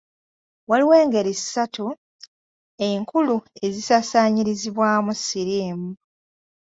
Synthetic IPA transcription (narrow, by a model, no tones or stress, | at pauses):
waliwe̞ːŋɡe̞ɾissatu | e̞ŋkulue̞zisasaːɲiɾiziβwaːmusiɾiːmu